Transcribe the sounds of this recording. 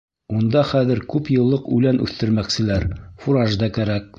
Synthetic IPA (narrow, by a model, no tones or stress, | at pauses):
und̪ɑχæðɘ̆ɾkʉpjɤ̆lˠːɤqʉ̰lænʔʉ̰θt̪ɘ̆ɾmæksɘ̆læɾfuɾɑʒd̪ɑkæɾæk̚